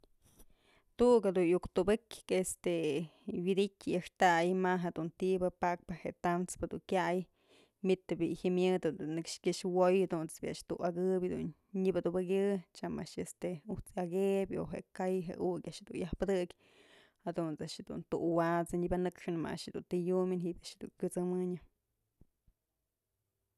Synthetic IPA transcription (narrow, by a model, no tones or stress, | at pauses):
t̪uʔkad̪unjukt̪ubɨkʲest̪ewid̪ikʲjaʂt̪ajmaɦed̪unt̪ibɨpak̚pɨheʔt̪anspɨd̪ṵŋkʲaj | mit̪ɨbihimjɨd̪unnːɨkʂkʲiʂwojad̪unt͡sbiʔaʔʂt̪uʔaɡɨbʲd̪ṵn | ɲibad̪ubɨkʲɨt͡ʃamaʔʂest̪eut͡saɡebʲo̰ɦḛʔkajɦḛukʲaʔʃhd̪unjahpɨd̪ɨkʲ | had̪unt͡saʔʃhed̪ṵnt̪ṵʔwat͡sɨɲibanɨkʂɨnma̰a̰ʃd̪ṵnt̪ijuminɦibʲaʔʃhd̪ṵŋkʲut͡sɨmɨɲɨ